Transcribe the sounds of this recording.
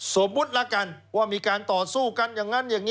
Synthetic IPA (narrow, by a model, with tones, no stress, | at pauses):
so˩˦mːu˦˥t̪̚la˦˥˩ka˧nwaː˥˩miː˧kaː˧nt̪ɔː˨˩suː˥˩ka˧˨njaː˨˩ŋːa˦˥njaː˨˩ŋːiː˦˥